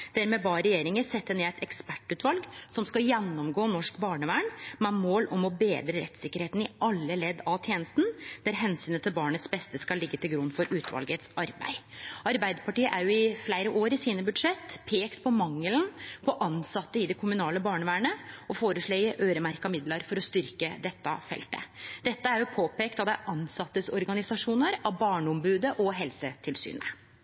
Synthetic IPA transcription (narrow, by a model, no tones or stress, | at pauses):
d̪æɾmɛbɑɾɛjeːɾɪŋəsɛt̪ːəneːæɪt̪ɛkspæʈːʉːt̪ʋɑlɡsɔmskɑjɛnːɔmɡoːnɔʂkbɑːɳəʋæːɳmɛmoːlɔmɔbeːd̪ɾəɾɛ̰t̪sɪkːəɾheːt̪n̩ɪʔɑlːəlɛd̪ːɑt̪ʰjeːnəst̪n̩d̪̥æɾɦɛnsyːnət̪ʰɪlbɑːɳət̪sbɛst̪əskɑlːɪɡːət̪ʰɪlɡɾʉnːfɔɾʔʉːt̪ʰʋɑ̰lɡət̪sɑɾbæ̰ɪʔɑɾbæɪd̪əpʰɑʈiːəʔæɾjʊɪflæɪɾəʔoːɾɪsiːnəbʉd̪ʂɛt̪ːpʰeːkt̪pʰɔmɑŋːəlnpʰɔʔɑnsɑt̪ːəɪd̪ɛkʰʊmʉnɑːləbɑːɳəʋæːɳəɔfoːɾəʂɭeɪəʔøːɾəmæɾkɑmɪd̪ləɾfɔɾɔst̪ʏɾkəd̪ɛt̪ːɑfɛ̰lt̪ə̰d̪ɛt̪ːəæɾjʊpʰoːpeːkt̪ɑt̪d̪æɾʔɑnsɑt̪ːəsɔɾɡɑnɪsɑʂuːnəɾɑʋbɑːɳɔmbʉːd̪əʔɔɦɛlsət̪ʰɪlsy̰ːnə